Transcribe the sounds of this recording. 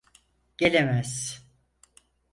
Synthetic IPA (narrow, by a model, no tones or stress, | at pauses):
ɟ̥elʲemæz̥